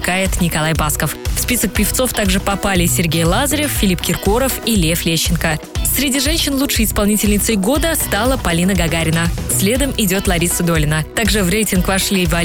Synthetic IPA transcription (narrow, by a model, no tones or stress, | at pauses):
kajɪt̪nʲɪkɐlˠajbaskəffspʲisək̚pʲɪft̪so̞ft̪aɡʐɨpɐpalʲɪsʲɪrɡʲejlˠazəɾʲɪffʲɪlʲipkʲɪrkoɾəfilʲeflʲeɕːɪnkəsʲɾʲɪdʲiʐɛnʲɕːɪnlˠutʂəjɪspɐlˠnʲitʲɪlʲnʲɪt̪səjɡo̞d̪əst̪alˠəpɐlʲinəɡɐɡaɾʲɪnəsʲlʲe̞d̪əmɪdʲo̞t̪lˠɐɾʲisəd̪olʲɪnət̪aɡʐɨvrʲejtʲɪnkvɐʂlʲivɐ